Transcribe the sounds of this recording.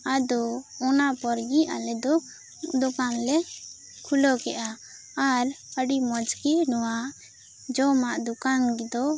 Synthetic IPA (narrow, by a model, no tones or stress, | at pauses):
ad̪ɔɔnapɔɾɡiʔa̰lɛd̪ɔ | d̪ɔkanlɛ | kʰulɔkɛʔaː | ɾəɖimɔd͡ʒkinɔwaʔ | d͡ʒɔmaʔd̪ukanɡid̪ɔ